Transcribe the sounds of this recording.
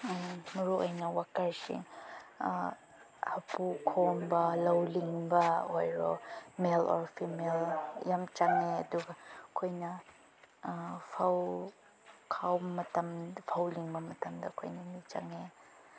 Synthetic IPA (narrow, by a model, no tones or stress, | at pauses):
muɾuʔɐjnɐwakʰɐɾsḭ | hɐpukʰonbɐlɐwliŋbɐhojɾomelɔ̰ɾpʰimeljamt͡ʃaŋeɐduɡɐkʰojnɐ | pʰaw | kʰawmɐtɐmpʰawliŋbɐmɐtɐmdɐkʰo̰jnɐmit͡ʃa̰ŋe